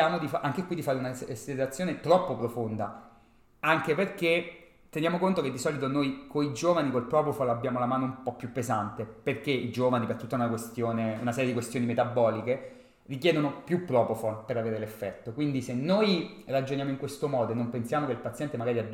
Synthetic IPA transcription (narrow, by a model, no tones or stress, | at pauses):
aːmod̪ifaaŋkekwid̪ifaːɾeunaselat̪sːjoːnet̪ɾɔpːopɾofond̪a | aŋkeperke | t̪ːenjaːmokont̪oked̪ːisɔːlit̪onojkoid͡ʒoːvanikolpɾɔpofolabːjaːmolamaːnoumpɔpːjupːezant̪eperkeid͡ʒoːvanipert̪ut̪ːaunakwest̪joːneunasɛːɾjed̪ikwest̪joːnimet̪abːɔːlike | rik̬jɛːd̪onopjupːɾɔːpofolpeɾaveːɾelefːɛt̪ːokwind̪isenːojrad͡ʒonjaːmoiŋkwest̪omɔːd̪oenːompensjaːmokeilpat̪sjɛnt̪emaɡaːɾiad̪